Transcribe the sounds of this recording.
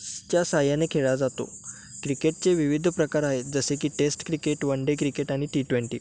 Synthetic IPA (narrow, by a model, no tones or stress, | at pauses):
t͡ɕjasajanekʰeɭad͡zat̪o̰ | kɾikeʈ̚t͡seʋiʋid̪ʱpɾəkaɾaɦed͡zəsekiːʈesʈkɾikeʈʋəɳɖekɾikeʈaɽ̃iʈiʈʋeɳʈiː